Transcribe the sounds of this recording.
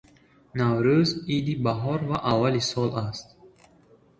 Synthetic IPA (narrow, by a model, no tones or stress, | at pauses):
navɾuzid̪ibaɦɔɾvaʔavːalisɔlʔast̪̚